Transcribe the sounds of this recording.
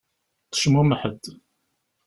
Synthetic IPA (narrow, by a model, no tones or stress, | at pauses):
qə̥ʃmuməħəd̪